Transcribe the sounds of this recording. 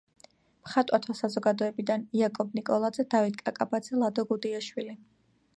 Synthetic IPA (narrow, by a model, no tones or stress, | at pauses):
mχat̪ʼwat̪ʰwasazɔɡad̪ɔɛbid̪aniakʼɔbnikʼɔlˠad̪zɛd̪avit̪̚ʼkʼakʼabad̪zɛlˠad̪ɔɡud̪iaʃwili